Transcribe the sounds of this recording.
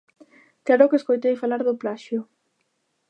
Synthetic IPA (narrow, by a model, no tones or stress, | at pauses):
klaɾokeskojt̪ejfalaɾðʊplaʃjʊ